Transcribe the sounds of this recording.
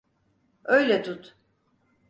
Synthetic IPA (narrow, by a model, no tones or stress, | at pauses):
øjlʲɛt̪ʰut̪